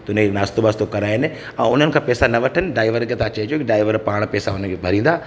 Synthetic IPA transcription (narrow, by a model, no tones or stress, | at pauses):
t̪ʊnnaːst̪obast̪okɐɾaːɦɪnɪ̆ | ɛ̃ːʊn̤ənɪ̆kʰãːpɛːsanɐʋɐʈʰənɪ̆ɖaːɪʋəɾket̪at͡ɕɐɦit͡ɕjokiɖaːɪʋəɾpaːɽ̃pɛːsaʊnənkʰebʱɐɾĩːn̆d̪aː